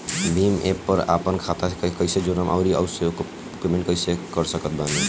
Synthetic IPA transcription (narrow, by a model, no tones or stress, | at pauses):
biːmḛːpːəɾa̰ːpənkʰaːt̪akkəɪsed͡ʒoɾəmʔaːɾiə̰ʋsko | pemẽɳʈkəɪsekəɾsəkət̪̚baːni